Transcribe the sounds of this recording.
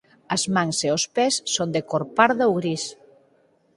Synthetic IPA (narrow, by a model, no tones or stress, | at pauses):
ɐzmãŋseospɛsːond̪ekoɾpaɾðaowɣɾis